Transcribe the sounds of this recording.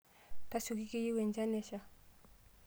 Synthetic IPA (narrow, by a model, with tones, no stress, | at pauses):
t̪a˦so˨ki˦ke˦˨ji˦wɛ˨nd͡ʒa˦nɛ˨ʃa˨